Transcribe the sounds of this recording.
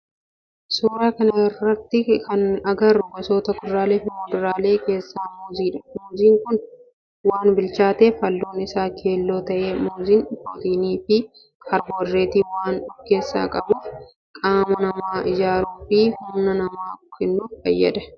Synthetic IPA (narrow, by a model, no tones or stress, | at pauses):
suːɾaːkɐnɐɪrːɐt̪ːɪkɐnɐɡɐrʊɡɔsoːt̪ɐkʊd̪ɾaːleːfɪmoːd̪ʊɾaːle̞ːke̞ːsːaːmoːziːᶑɐ̥moːziːŋkʊn | waːnbɪlt͡ʃaːt̪eːfɐlːoːnɪsaːkʰe̞ːlːo̞ːt̪ɐʔe̞ːmoːziːnfoːt̪iːniːfɪ | kʰɐɾboːrːeːt̪iwaːnᶑʊfke̞ːsːa̰ːkʼɐbuːf | kʼaːmɐnɐmaːʔɪd͡ʒaːɾuːfɪhʊmnɐnɐmaːkɛnːuːnfɐjːɐ̰ᶑ̪ɐ